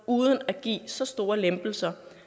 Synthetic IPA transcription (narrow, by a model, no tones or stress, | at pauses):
uːðˠənæɡ̥ḭːsɒ̽sd̥o̝ːɐlemb̥l̩sɐ